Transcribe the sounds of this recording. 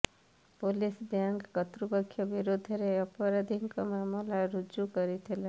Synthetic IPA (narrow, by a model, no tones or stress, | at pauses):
polisbjaŋɡkʌt̪ɾubʌkʰːjʌbiɾod̪ʱʌɾeʌpɔɾad̪ʱiŋkɔmamɔlaɾud͡ʒukʌɾit̪ʰela